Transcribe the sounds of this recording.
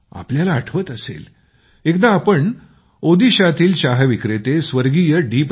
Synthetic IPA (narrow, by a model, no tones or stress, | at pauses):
a̰pljalaːʈʰʋət̪əsḛl | ekd̪aːpəɳ | od̪iɕat̪iːlt͡ɕaɦʋikɾet̪esʋəɾɡiːjəɖip